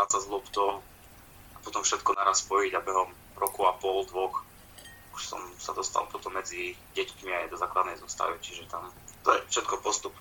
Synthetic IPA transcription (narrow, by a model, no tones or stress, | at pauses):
asazlˠɔpt̪ɔ | apɔt̪ɔmfʃɛt̪kɔnaɾaspɔjiɟabɛɦɔm | ɾɔkuapɔld̪ʋɔx | kuʃsɔ̰msad̪ɔst̪a̰lˠpɔt̪ɔmːɛd͡ziɟɛc̪kmiajɛd̪ɔzaːklad̪nɛjzɔst̪a̰ʋit͡ʃiʒɛt̪amt̪ɔjɛfʃɛt̪kɔpɔst̪up